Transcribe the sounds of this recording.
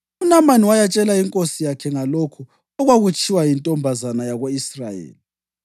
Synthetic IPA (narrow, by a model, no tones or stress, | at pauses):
unamaniwajat͡ʃʼɛlaiŋkʼosijakʰɛŋalokʰu | ɔɣwaɣut͡ʃʰʼiwajintʼɔmbʱazanajaɣoisrajḛːli